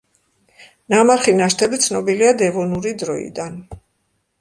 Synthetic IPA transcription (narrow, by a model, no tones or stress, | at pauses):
namaɾχinaʃt̪ʰɛbit̪sʰnɔbiliad̪ɛvɔnuɾid̪ɾɔḭd̪an